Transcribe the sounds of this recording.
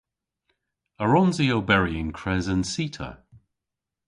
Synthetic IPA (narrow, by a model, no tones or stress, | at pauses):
əɹɔnziowbɛɹiə̃nkʰɹ̥ɛzənsiˑtʰə̰